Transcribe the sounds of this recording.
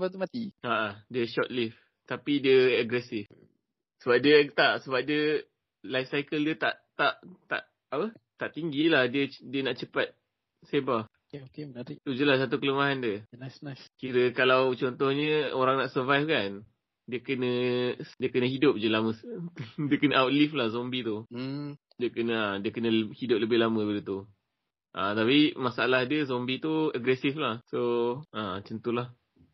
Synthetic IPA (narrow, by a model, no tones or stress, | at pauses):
bat̪umat̪iaʔadiəʃɔt̪̚lif | t̪apidiəaɡɾɛsɪf | səbap̚diət̪aʔsəbap̚diə | lajfsajkəldiət̪a̰ʔt̪aʔt̪a̰ʔ | apət̪aʔt̪iŋɡilahdiədiənaʔt͡ʃəpat̪̚ | seba | eokebənɾit̪ud͡ʒəlasːat̪̬ukələmaɦandiəlasnaskiɾəkalawt͡ʃɔnt̪ɔhɲəoɾaŋnaʔsərvajfkan | diəkənə̃diəkənə̃ɦidʊp̚d͡ʒəlaməsdiəkənəawt̪̚liflahzombit̪u | diəkənə̃adiəkənəhidʊp̚ləbɪhlamə̃bədət̪u | ʔat̪apimasaalahdiəzɔmbit̪uəɡɾɛsiflahsoat͡ʃənt̪ulah